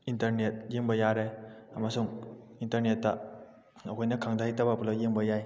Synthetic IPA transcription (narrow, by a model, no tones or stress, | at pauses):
intɐɾnet̚jeŋbɐjaɾeɐmɐsuŋ | intɐɾnetːɐ | ɐkʰojnɐkʰaŋdajtabapulajeŋbɐjaj